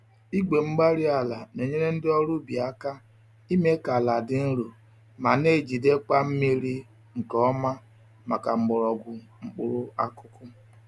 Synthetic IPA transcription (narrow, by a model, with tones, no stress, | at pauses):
i˦ɡ͡be˨ŋ͡m̩˦ɡ͡ba˦ɾi˦a˨la˨no˨ɲe˦ɾe˦n̩˦dɪ˦ɔ˦ɾʊ˦bi˨a˦ka˦ | i˦me˦ka˨la˨dɪ˨n̩˦ɾo˨ | ma˨ne˦˨d͡ʒi˨de˦k͡pa˦m̩˦mi˦ɾi˦ | ŋ̩˨kɔ˦ɔ˦ma˦ | ma˨ka˨ŋ͡m̩˦ɡ͡bʊ˨ɾɔ˨ɡʷʊ˨ | ŋ͡m̩˨k͡pʊ˨ɾʊ˦a˦kʊ˦kʊ˦